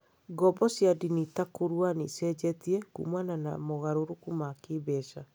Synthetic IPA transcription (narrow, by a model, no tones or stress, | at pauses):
ɡɔbɔsjadinitakoɾwanisɛd͡ʑɛtiɛkṵmwanana̰moɣaɾoɾokumakeβɛʃa